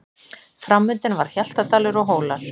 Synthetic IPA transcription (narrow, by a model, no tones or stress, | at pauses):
fɾamːʏnt̪ɪnvaɾ̥çal̥t̪at̪aːlʏɾɔɣɦoːwlaɾ̥